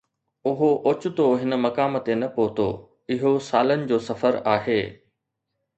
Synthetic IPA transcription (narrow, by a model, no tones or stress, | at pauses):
ʊɦoʔʊt͡ɕʊ̆t̪oɦɪn̆mɐkaːmt̪enɐpoɦt̪o̰ː | ɪɦosaːlənɪ̆d͡ʑoːsɐfəɾaːɦeː